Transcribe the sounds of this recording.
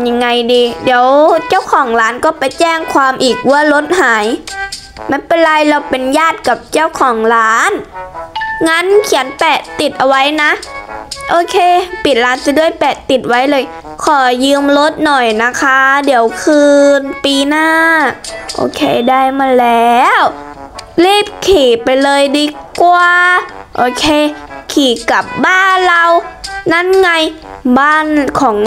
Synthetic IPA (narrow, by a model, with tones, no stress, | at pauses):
ɲa˧ŋːa˧jdiː˧di˨˩˦ə˦wt͡ɕa˥˩˨wkʰɔː˨˩˦ŋlaː˨˦˥nkɔː˥˩pa˨jt͡ɕɛː˥˩ŋkʰwaː˧mʔiː˨˩k̚wɔ˧˩ɐlo˧˦˥t̪̚haː˩˦j | ma˦˧˥npe˧nla˧˩˨jlɛː˧wpe˨njaː˥˩t̪̚ka˨˩p̚t͡ɕa˥˩˨wkʰɔː˨˩˦ŋlaː˦˥n | ŋa˧˥˨nkʰi˨˩˦ənpɛː˨˩t̪i˨˩t̪̚ʔa˧wa˦˥jna˦˥ʔʔoː˧kʰeː˧˨pi˨˩t̪̚laː˨˦˥nsa˧du˥˩əjpɛː˨˩t̪i˨˩t̪̚wa˦˥jlɤː˧j | kʰɔː˨˩jɯː˧mlo˦˥t̪̚nɔ˨˩jna˦˥kʰa˦˥di˨˩˦əwkʰɯː˧npiː˧naː˥˩ʔo̰ː˧kʰḛː˧˩daː˥˩jma˧˩˨nlɛː˦w | liː˥˩p̚kʰiː˨˩pa˧jlɤː˧jdiː˧kwaː˧ʔoː˧kʰeː˧kʰiː˨˩ka˨˩p̚baː˥˩˨la˧wna˥˩˨nŋa˧jbaː˥˩nkʰɔː˨˩˦ŋ